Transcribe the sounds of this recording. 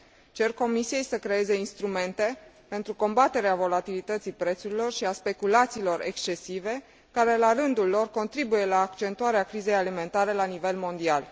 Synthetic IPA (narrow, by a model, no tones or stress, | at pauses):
t͡ʃe̞rko̞misijejsəkɾe̞e̞ze̞inst̪ɾume̞nt̪e̞ | pe̞nt̪ɾuko̞mbat̪e̞ɾeavo̞lat̪ilit̪ət̪sipɾe̞t̪suɾilo̞rʃiaspe̞kulat̪siːlo̞ɾe̞̰kst͡ʃe̞sive̞ | kaɾe̞larɨnd̪ulːo̞rko̞nt̪ɾibuje̞laːkt͡ʃe̞nt̪uaɾeakɾize̞jalime̞nt̪aɾe̞lanive̞lmo̞nd̪ial